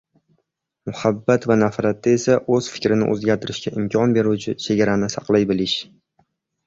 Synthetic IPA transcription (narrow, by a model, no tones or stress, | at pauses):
mʊhabːat̪vanafɾat̪ːae̞saʔɵzfɪ̥kʲɾɪnɪ̰ʔɵ̰zɡʲaɾt̪ʰɪɾɪʃkʲaʔɪmkʲʰɒnbe̞ɾut͡ʃʰɪt͡ʃʰe̞ɡʲaɾanɪsɑqlˠajbɪlɪʃ